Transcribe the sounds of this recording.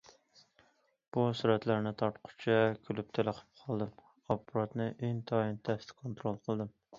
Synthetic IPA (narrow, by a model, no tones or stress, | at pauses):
b̥usuɾɛt̪læɾnɪt̪ʰɑɾt̪qʰʊ̥t͡ʃʰɛkʲʰylyp̚t̪ʰeləqʰə̥p̚qʰɑlˠd̪ɨm | ɑpuɾɑt̪nɨʔeŋt̪ʰɑint̪ʰɛst̪kʰont̪ɾolˠqʰəlˠd̪ɨm